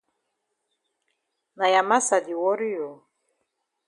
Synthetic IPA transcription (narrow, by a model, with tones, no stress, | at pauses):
na˨ja˨ma˦sa˨di˨wɔ˦ɾi˦jɔ˨